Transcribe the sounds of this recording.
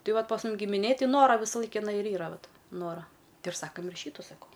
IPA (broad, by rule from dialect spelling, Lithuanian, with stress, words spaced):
ˈtɐɪ ˈʋɐt pɐs ˈmʊm ɡʲɪmʲɪˈnʲeːj ˈtɐɪ ˈnoːrɐ ʋʲɪsɐˈlˠɐɪk ɪˈnɐɪ ɪr ˈiːrɐ ˈʋɐt ˈnoːrɐ ˈtɐɪ ɪr ˈsɑːkɐm ɪr ˈʃʲiːtʊ sɐˈkɐʊ